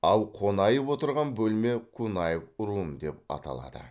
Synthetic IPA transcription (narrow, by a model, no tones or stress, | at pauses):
ɑlˠqʰo̞nɑjəpwo̞t̪əɾʁɑnbɵlme̞kʰunɑjəpʊɾuəmd̪e̞p̚ɑ̰t̪ɑ̰lˠɑ̰d̪ə̰